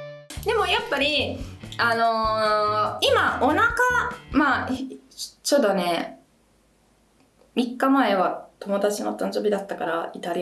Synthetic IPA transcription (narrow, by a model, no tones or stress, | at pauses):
d̪e̞mo̞japːaɾʲiano̞ | imaonakama | t͡ɕod̪one̞ | mʲikːamae̞βat̪o̞mo̞d̪at͡ɕinot̪and͡ʑobʲid̪at̪ːakaɾait̪aɾʲi